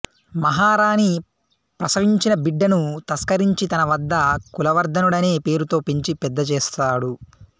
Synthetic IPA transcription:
mɐɦaːɾaːni | pɾɐsɐʋiɲt͡ʃinɐbiɖːɐnut̪ɐskɐɾiɲt͡ʃit̪ɐnɐʋɐd̪ːɐkulɐʋɐɾd̪ʱɐnuɽɐne̞ːpe̞ːɾut̪o̞ːpeɲt͡ʃipɛd̪ːɐt͡ʃɛːst̪aːɽu

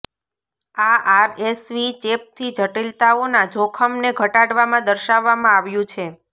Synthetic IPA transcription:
aaɾesʋit͡ʃep̚t̪ʰid͡ʒʱəʈilt̪aonad͡ʒʱokʰəmneɡʱəʈaɽʋamãd̪əɾʃaʋːamãaʋjũt͡ʃʰe

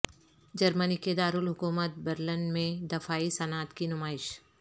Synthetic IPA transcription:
d͡ʒɐɾməniked̪aːɾulɦʊkuːmət̪̚bɐɾlənmẽd̪ɐfaːisɐnaːt̪kinʊmaːɪʃ

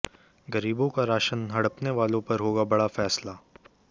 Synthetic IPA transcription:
ɡɐɾiːbõkaɾaːʃənɦɐɽəpneʋaːlõpɐɾɦoːɡabɐɽafɛːslaː

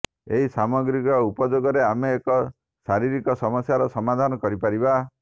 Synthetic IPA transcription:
eɦisamɔɡɾikɔupɔd͡ʒoɡɔɾeameːkɔ | saɾiɾikɔsɔmɔsjaɾɔsɔmad̪ʱanɔkɔɾipaɾiba

